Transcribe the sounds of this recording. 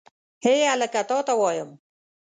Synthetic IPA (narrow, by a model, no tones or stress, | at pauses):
heːalakat̪ɔt̪awɑːjəm